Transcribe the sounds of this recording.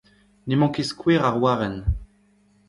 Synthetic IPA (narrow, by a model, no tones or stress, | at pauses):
nemɑ̃keskweːʁaʁwaːʁɛn